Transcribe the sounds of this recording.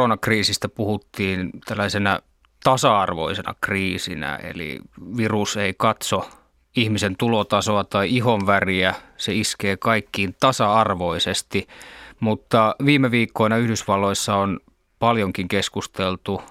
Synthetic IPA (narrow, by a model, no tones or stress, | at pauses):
onɑkriːsist̪æpuhut̪ːiːnt̪ælːæisenæ | t̪ɑsɑɑrʋo̰isenɑ̰kriːsḭnæ̰ḛlḭʋiruseikɑt̪so | ihmisent̪ulot̪ɑsoɑt̪ɑiihoʋʋæriæseiskeːkɑikːiːnt̪ɑsɑɑrʋoisest̪imut̪ːɑʋiːmːeʋiːkːoinɑyhdysʋɑlːoisːɑon | pɑljoŋkiŋkeskust̪elt̪u